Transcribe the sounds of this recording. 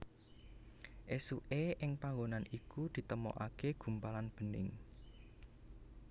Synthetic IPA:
ʔesuʔeʔɪŋpaŋɡonanikud̪̥i̤t̪əmɔ̰ʔakeɡ̥ṳmpalanb̥ə̤nɪ̰ŋ

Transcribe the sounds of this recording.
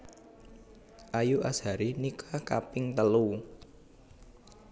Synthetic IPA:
ʔajuʔashaɾinikʰakapɪŋt̪əlu

